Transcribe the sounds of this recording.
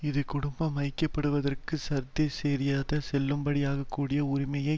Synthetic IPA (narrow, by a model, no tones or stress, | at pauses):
ɪðɯkʊɽʊmbɐmɐɪkːɐpːɐɽɯʋɐðɐrkɯsɐɾt̪ːeseːɾɪjaːðɐsɛlːɯmbɐɽɪjaːɣɐkːuːɽɪjɐʊɾɪmɐjɐɪ